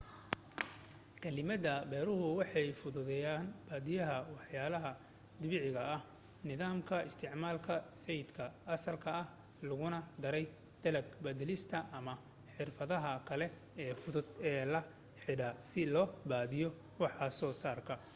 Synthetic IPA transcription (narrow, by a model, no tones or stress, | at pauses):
kʰɐlɪmɐdɐbɛːɾʊɦʊwɑħɑjfʊðʊðɛjaːnbaːðɪjɐɦɐwɑħjaːlɐɦɐ | d̪ʊβɪʕɪɣɐʔɐh | nɪðaːmkʰɐɪst̪ʰɪʕmaːlkʰɐsɛjɪd̪kʰɐɐsɐlkʰɐɐh | lʊɣʊnɐd̪ɐɾɛj | d̪̥ɐlɐɡbɐd̪ɛlɪst̪ʰɐʔɐmɐ | ħɪrfɐðɐɦɐkʰɐlɛ | ɛːfʊðʊd̪ɛːlɐ | ħɪɽɐsɪlɔːbaːðɪjɔ | wɑħɐsɔːsaːrkʰɐ